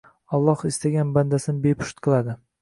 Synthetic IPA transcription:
ɒlˠːɒhɪst̪aɡʲanband̪asɪnɪbepʰʊ̥ʃt̪qʰɨlˠad̪ɪ

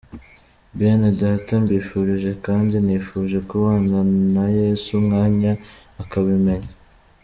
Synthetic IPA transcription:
bɾenedatambiːfuːɾiʒe̞kaːndiniːfuːʒe̞kuβaːnanaje̞ːsumŋaːɲaːkaβime̞ɲa

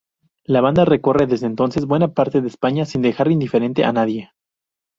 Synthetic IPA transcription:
laβand̪are̞ko̞re̞ðe̞zðeːnt̪o̞nsezbwe̞napaɾt̪e̞ðeːspaɲasind̪e̞xaɾind̪ife̞ɾe̞nt̪eʔanaðje̞

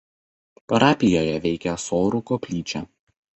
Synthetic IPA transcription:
pɐɾɑːpʲɪjoːjɛʋʲɛɪkʲɛsoːɾʊkopʲlʲiːt͡ʃʲæ

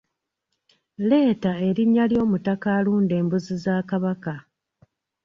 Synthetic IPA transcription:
le̞ːtae̞ɾiɲːaljo̞ːmutakaːluːnde̞ːmbuzizaːkaβaka

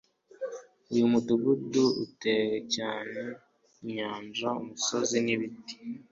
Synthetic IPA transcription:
ujumuduβuduṵte̞ɾecaːne̞ | imɲaːnʒaumuso̞ziniβiti̥

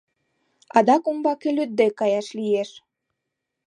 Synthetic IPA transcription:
ɑd̪ɑkumbɑkelyt̪̚d̪ekɑjɑʃlijeʃ

